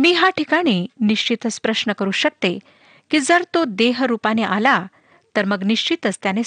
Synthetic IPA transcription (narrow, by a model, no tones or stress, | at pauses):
miːɦaʈikaɽ̃iːniɕt͡ɕit̪əspɾəɕnəkəɾuːɕək̚t̪e | kid͡zəɾt̪od̪eɦɾupaneʔala | t̪əɾməɡniʂt͡ɕit̪əst̪jane